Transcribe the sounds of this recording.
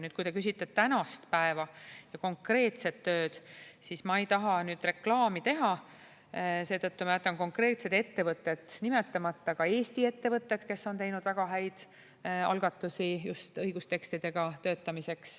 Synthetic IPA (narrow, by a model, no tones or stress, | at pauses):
ny̥ːkujt̪e̞kys̬ʲit̪ːˑet̪ːænɑst̪pæevɑjɑko̞ŋkre̞ːt̪se̞t̪ːø̞ːd̪̥sismɑejt̪ɑɦɑnyːd̪̥re̞klɑːmit̪e̞ɦɑ | se̞ːt̪ɤt̪ːumɑjæt̪ːˑɑnko̞ŋkre̞ːt̪se̞d̪e̞t̪ːe̞vɤt̪ːˑe̞t̪ːnime̞t̪ːˑɑmɑt̪ːɑkɑe̞ːst̪ie̞t̪ːe̞vɤt̪ːˑe̞t̪ke̞sːo̞nt̪e̞jnud̪væɡ̥ɑɦæjd̪̥ | ɑ̰lɡ̥ɑt̪ːˑusijust̪ɤjɡ̥ust̪e̞kst̪id̪̥e̞ɡ̥ɑt̪ø̞ːt̪ːˑɑmise̞ks